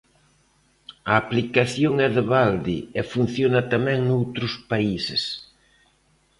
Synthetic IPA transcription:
ɐːplikaθjoŋɛðɪβald̪ḭefun̟θjonɐt̪amɛ̃ŋnowt̪ɾʊspaisɪ̰s

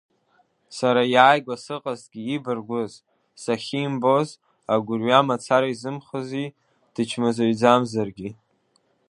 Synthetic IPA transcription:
saɾajaːjɡʷasɨqʼaztʼɡʲiːbɨrɡʷʊz | saχʲimbo̞z | aɡʷʊrɥamat͡sʰaɾaizɨmχəzi | d̥ɨt͡ʃʰmazaɥd͡zamzarɡʲi

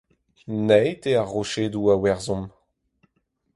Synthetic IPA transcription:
nɛjteaʁːoʃeduawɛʁzɔ̃m

